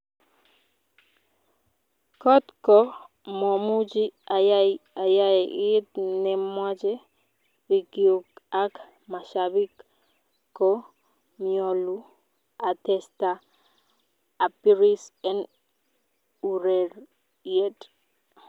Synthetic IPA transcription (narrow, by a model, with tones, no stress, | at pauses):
kɔ˦tkɔ˦ | mɔ˨mu˦d͡ʒi˦a˨jaja˨ja˦jɛʔtnɪ˨mwa˦d͡ʒɛ˦ | ɾi˨ɡio˨ka˦k | ma˨ʃabi˦k | kːo | mio˨lu˦ | a˨tɛsta˦˨ | pi˦ɾi˦sɛ˦n | uɾe˨ɾ | jet